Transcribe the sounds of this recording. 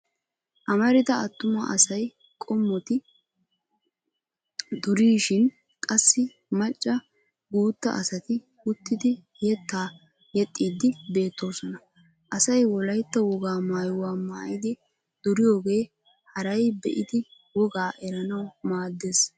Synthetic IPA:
ʔɐmɐɾɪd̪ɐɐt̪ːʊmɐʔɐsɐj | kʼɔmːɔt̪ɪ | d̪ʊɾiːʃɪn | kʼɐsːɪ | mɐt͡ʃʼːɐ | ɡuːt̪ːɐ̰ʔɐsɐt̪ɪ | ʊt̪ːɪd̪ɪ | jɛt̪ːaː | jɛt̪ʼːiːd̪ɪbe̞ːt̪ːo̞ːsɔnɐ | ʔɐsɐjwɔlɐjt̪ːɐwɔɡaːmaːjʊwaːmaːjɪd̪ɪ | d̪̥ʊɾɪjo̞ːɡe̞ː | hɐɾɐjbɛ̰ʔɪd̪ɪ | wɔɡaːʔɛɾɐnɐwmaːd̪ːeːs

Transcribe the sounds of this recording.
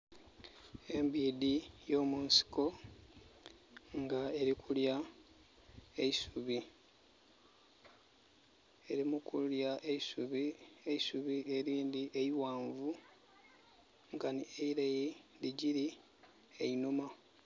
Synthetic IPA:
e̞mbiːdijo̞ːmuːnsi̥ko̞ | ŋɡae̞ɾikʰulja | eisuβi | e̞ɾimukuljaʔeisuβieisuβie̞ɾiːnd̪iʔeiwaːɱvu | ŋɡanieiɾajiliɟiɾi | einuma

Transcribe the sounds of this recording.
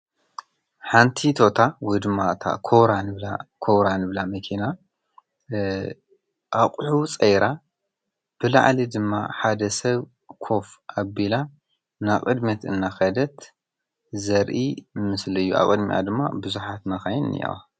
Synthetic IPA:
ħant̪ʰit̪ʰo̞t̪ʰawɔjd̪ɨmːat̪ʰa̰kʰoβɾanɨβlakʰowɾanɨβlamɐkʰina | ʔaβqʼħut͡sʼejɾʔa | b̥ɨla̰ʕlid̪ɨmːa̰ħad̪ɐsɐβ | kʰo̞fʔabila | naβqʼɨd̪mɐt̪ɨnːaxɐd̪ɐt̪ | zɐɾʔimɨslɨjːua̰βkʼɨd̪mḭʔa̰d̪ɨmːa̰bɨzuħat̪nɐxajnɨ̰ja̰w

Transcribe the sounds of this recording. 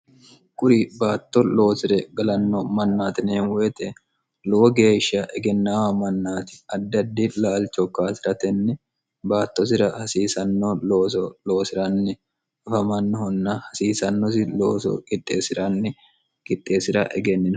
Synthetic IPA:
kʼʊɾibaːt̪ːɔlo̞ːsɪɾɛɡɐlɐnːɔmɐnːaːt̪ɪneːnweːt̪ɛ | lɔwɔɡe̞ːʃːɐʔɛɡɛnːaːwɐmɐnːaːt̪ɪ̥ɐd̪ːɐd̪ːɪlaːlt͡ʃɔkːaːsɪɾɐt̪ɛnːɪ | baːt̪ːɔs̬ɪɾɐhɐsiːsɐnːɔloːsɔlo̞ːsɪɾɐnːɪ | ʊfɐmɐnːɪhɔnːɐhɐsiːsɐnːɔs̬ɪloːsɔ̰kʼɪt̪ʼːḛːsɪɾɐnːɪ | kʼɪt̪ʼːe̞ːsɪɾɐ̰ʔɛɡɛnːɪn

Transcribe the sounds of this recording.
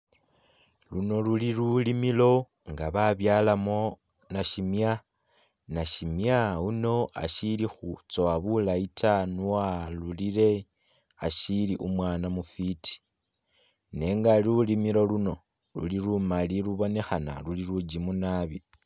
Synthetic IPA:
luno̞luliɾulimilo̞ | ŋɡaβaβjaːlamo̞ | naʃimja | naʃimjauno̞a̰ʃilixut͡so̞aβulaitʰanualuliɾe̞ | aʃiliʔumwaːnamufitʰi̥ | ne̞ŋɡaliulimilo̞luno̞ | lṵliɾumaliɾuβo̞ne̞xana̰luliɾud͡ʒimunaβi

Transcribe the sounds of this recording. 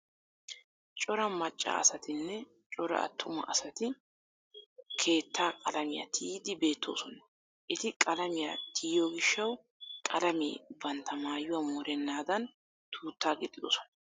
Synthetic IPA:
t͡ʃʼɔɾɐmɐt͡ʃʼːa̰ːɐsɐt̪ɪnːɛ | t͡ʃʼɔɾɐ̰ɐ̰t̪ːʊmɐ̰ʔɐsɐt̪ɪ | kʰe̞ːt̪ːaːkʼɐlɐmɪjɐ̰t̪ʰiːd̪ɪbe̞ːt̪ʰːo̞̰ːsɔnɐ̥ | ʔɪt̪ɪkʼɐlɐmɪjɐt̪ʰiːjɔɡɪʃːɐw | kʼɐlɐmḭːbɐnt̪ːɐmaːjʊwɐmɔːɾɛnːaːd̪ɐn | t̪ʰuːt̪ːaːɡɪt̪ʼːɪd̪o̰ːsɔ̥nɐ

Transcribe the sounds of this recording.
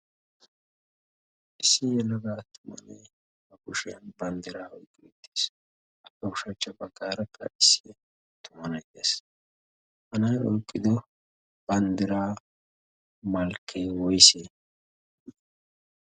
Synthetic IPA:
ʔɪsːɪjɛlːɐɡaːt̪ʊmɐ̰nɛ̰j | bɐkʊʃɪjɐnbɐnd̪ɪɾaːɔjkʼːɪɛt̪ːeːs | ʔɐkːɛʊʃɐt͡ʃːɐbɐɡːaːɾɐkʰːɐ̰ʔɪsːɪ | t̪ʊmɐnɐt̪es | hɐnɐjɔjkʼːɪd̪ɔ | b̥ɐnd̪ɪɾaː | mɐlkʰːewɔjse

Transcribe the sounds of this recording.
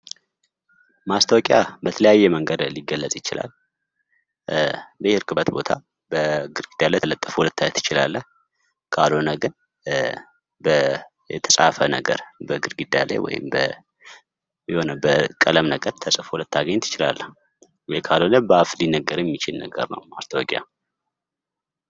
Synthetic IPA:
mast̪ʰəwkʼɪjabət̪ʰələjajːɛməŋɡəd̪liɡəlːəsʼjɪt͡ʃɪla̰l | bəhɪɾkʰɨbət̪bo̞t̪ʰa | bəɡɨɾɡid̪jalalət̪ʼːəfhulət̪ːajət̪ɪt͡ʃɪla̰lːəh | kʰalonəɡɨn | bə | jɛ̰t̪ʰəsʼa̰fənəɡə̰ɾbəɡɨɾɡid̪ala̰jwɔ̰jɪ̰mbə | jɛho̞nəbəkʼələmnəɡəɾt̪ʰəsʼəfulət̪ːaɡəɲːt̪ʰɨ̥t͡ʃɪla̰lːəh | wɛjkʰalonəbəaflinːəɡəɾjɛmːit͡ʃɪlnəɡə̰ɾnə̰wast̪ʰəwɔɡʼja̰

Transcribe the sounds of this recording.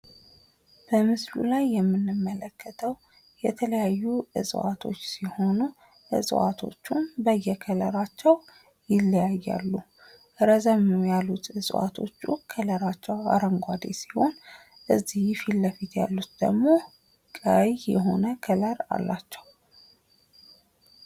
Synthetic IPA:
b̥əmɨslṵlajːɛmːɨnːɨmːələkːət̪ʰəw | jɛt̪ʰələjajːuʔɨ̰sʼwa̰t̪ʰo̞̰t͡ʃːsiho̞nu | ʔɨ̰sʼwa̰t̪ʰo̞̰t͡ʃːumbəjːɛkʰələɾat͡ʃːɛw | jɪlːəjajːa̰lːu | ʔɾəzəmjalːut̪ɨsʼwa̰t̪ʰo̞t͡ʃːukʰələɾat͡ʃːɛwa̰ɾəŋɡʷad̪ḛsi̥ho̞n | ʔɨzːijfilːəfit̪ja̰lːut̪d̪ə̰ɡmo̞ | kʼəjjɛɦo̞nəkʰələɾa̰lːat͡ʃːɛw

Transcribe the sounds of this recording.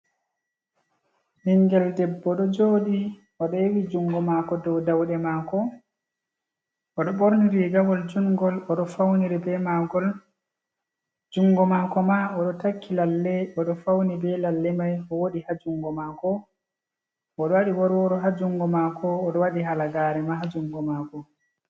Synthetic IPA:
niŋɡɛldɛbːɔɗɔd͡ʒoːɗi | ʔɔɗɔewid͡ʒuŋɡɔmakɔdɔwdawɗɛmakɔ | ʔɔɗɔɓoɾniɾiɡawɔld͡ʒuŋɡɔlɔɗɔfawniɾɛbɛmaɡɔl | d͡ʒuŋɡɔmakɔmaɔɗɔtakʰːilalːɛɔɗɔfawnibɛlalːɛmajɔwoɗihad͡ʒuŋɡɔmakɔ | ʔɔɗɔwaɗiwɔɾwɔɗɔɦad͡ʒuŋɡɔmakʰɔːɗɔwaɗiɦalaɡaɾɛmaɦad͡ʒuŋɡɔmakɔ

